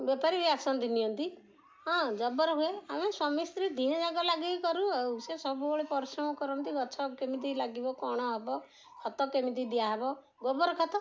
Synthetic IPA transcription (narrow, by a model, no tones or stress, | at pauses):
bepaɾiɾiaksɔnd̪inijɔnt̪i | ɦɔ̃d͡ʒɔbɔɾɔɦueameswɔmist̪ɾid̪ʱiɦɔ̃d͡ʒaɡɔlaɡiikɔɾuausesɔbubɔɭepɔɾisɾɔmɔkɔɾɔnt̪ibɔt͡ʃʰɔkemid̪ilaɡibɔkɔɽ̃ɔɦebɔ | kʰɔt̪ɔkemit̪id̪iaɦebɔ | ɡɔbɔɾɔkʰɔt̪ɔ